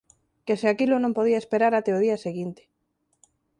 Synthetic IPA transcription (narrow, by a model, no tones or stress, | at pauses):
keseakilonõmpoðiaespeɾaɾat̪eoðiaseɣint̪e̥